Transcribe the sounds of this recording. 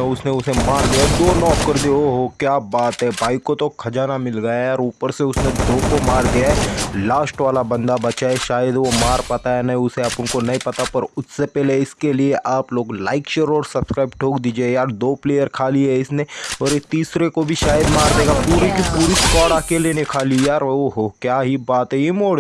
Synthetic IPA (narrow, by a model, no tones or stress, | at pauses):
eʊsneʊsemaːɾd̪ijad̪oːnɔːkkɐɾd̪eɦoɦokjaːbaːt̪ɦɛbaːɪkːot̪okʰɐd͡ʒaːnamɪlɡɐajaːɾuːpəɾseʊsnẽd̪oːkomaːɾd̪ijaɦɛlaːsʈʋaːlabɐ̃nd̪abɐt͡ʃaɦɛʃaːjəd̪ʋomaːɾpat̪aɦɛnɐɦĩʊseapʊnkonɐɦĩpɐt̪apɐɾʊssepɛːɦleɪskelieʔaːploːɡla̰ːɪkʃeːɾɔːɾsɐbskɾaːɪb̚ʈʰoːkd̪iːd͡ʒiejaːɾd̪oːpleːjəɾkʰaːliɦɛɪsneɔːɾet̪iːsɾekobʱiʃaːjəd̪maːɾd̪eːɡapuːɾikipuːɾiskɔːɽakelienekʰaːlijaːɾoɦokjaːɦibaːt̪ɦɛimoːɽ